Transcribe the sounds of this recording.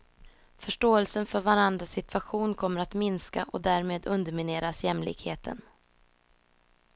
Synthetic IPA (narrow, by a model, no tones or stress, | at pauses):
fœʂʈoːɛlsənfœɾvaɾand̪ɾasɪt̪ʰvaɧuːnkʰɔmːəɾat̪mɪnskaʔɔd̪æːɾmeːd̪ɵnd̪əɾmɪneːɾasjɛmlɪ̰ːɡheːt̪ʰə̰n